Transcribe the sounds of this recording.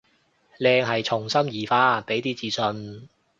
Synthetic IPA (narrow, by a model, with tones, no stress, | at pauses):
lɛː˧ŋɦɐ˨jt͡sʰʊ˨˩ŋsɐ˥mjiː˨˩faː˧pe˨˥jt̪iː˥t͡siː˧sɵ˧n